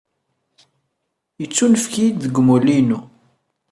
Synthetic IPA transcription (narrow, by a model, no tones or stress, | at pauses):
jət͡sːunəfkid̪ðəɡmulinu